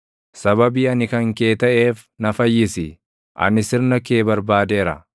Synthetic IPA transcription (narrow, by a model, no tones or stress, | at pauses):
sɐβɐbiːɐnɪkɐŋke̞ːt̪ɐʔe̞ːf | nɐfɐjːɪsɪ | ʔɐ̰nɪsɪɾnɐkeːbɐɾbaːd̪e̞ːɾɐ̰